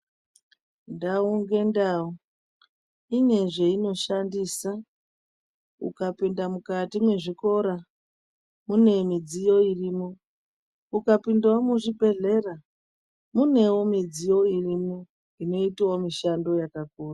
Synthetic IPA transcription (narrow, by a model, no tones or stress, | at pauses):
ndauŋɡe̞ndau | ine̞ʐe̞ino̞ʃandiːsa | ṵkapindamukatimwe̞ʐiko̞ɾa | mune̞mid͡zijo̞iriːmo | ukapindawomuʐibʱe̞ɮe̞ra | mune̞wo̞mid͡zijo̞irimo | ino̞itewomiʃando̞jakakuːra